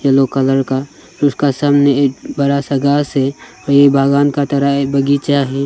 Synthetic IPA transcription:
jelokələɾka | ɾʊskasaːmnebəɾasəɡaːse | ɔjebʱaːɡaːnkat̪əɾabəɡit͡ʃaɦɛ

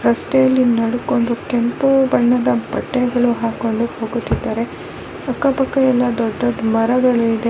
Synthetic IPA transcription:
ɾɐsʈɛjɐlːinɐɽuko̞ɳɖukempubɐɳːɐd̪ɐbɐʈːeɡɐɭuɦaːko̞ɳɖuho̞ːɡut̪ːid̪ːaːɾe̞ | ɐkːɐpɐkːɐɛlːɐd̪ɔɖːɐɖmɐɾɐɡɐɭuid̪e̞

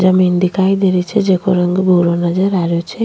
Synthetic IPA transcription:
d͡ʒəmind̪ikajd̪eɾit͡ʃʰed͡ʒekʰoɾəŋɡbʱuɾonəd͡ʒəɾaɾjot͡ʃʰe

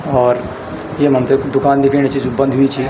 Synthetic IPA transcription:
ɔːɾ | jemə̃mt̪ed̪ʊkaːnd̪ɪkʰiːñet͡ʃʰid͡ʒobɐ̃nd̪ʱɦuit͡ʃʰi

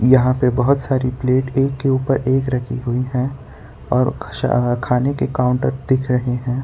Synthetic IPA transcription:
jɐɦãpebɐɦʊt̪saːɾipleːʈeːkːeuːpəɾʔeːkɾɐkʰiɦʊiɦɛ̃ | ɔːɾʃkʰaːnekekaːʊ̃ɳʈəɾd̪̥ɪkʰɾɐɦeɦɛ̃ː

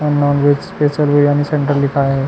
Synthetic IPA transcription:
ɛnnɔːnʋed͡ʒspesəlʋijaːnisẽɳʈəɾlikʰajaɦɛ

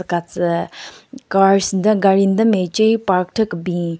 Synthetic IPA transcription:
kat͡sə | karsnd̪əŋɡarind̪əmet͡ɕəpak̚ʈ͡ʂʰəkɦbi

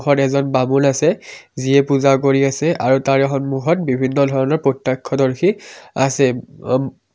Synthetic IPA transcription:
xɔtɛzɔnbamulasɛziɛpuzakoɹiasɛʔaɹutaɹɛxɔnmuɦɔt̚bibʱinːɔdʱɔɹɔnɔɹpɹɔtːakʰːɔdɔɹxʰiasɛ

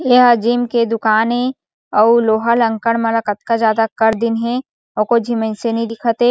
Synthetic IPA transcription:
eːɦəd͡ʒiːmked̪ʊkaːnẽ | ɔːloːɦalə̃ŋkəɽ̃mɐləkət̪kazjaːd̪akɐɾd̪ɪnɦẽ | ɔːkod͡ʒʱimə̃nsenĩd̪ɪkʰət̪e

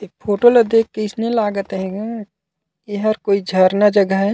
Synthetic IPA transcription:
ek̚pʰoːʈolɐd̪eːkːɪɪsnelaːɡət̪ɦɛ̃ɡa | kiɦəɾkoːid͡ʒʱəɾnad͡ʒɐɡəɦɦɛ

